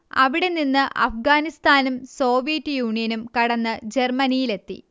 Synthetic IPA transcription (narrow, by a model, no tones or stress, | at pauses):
ɐ̰ʋiɽe̞ninːɨʔɐ̰fɡaːnist̪aːnumso̞ːʋijɐtːɨjuːɳijɐnumkɐɽɐnːɨd͡ʑe̞rmɐnijile̞t̪ːḭ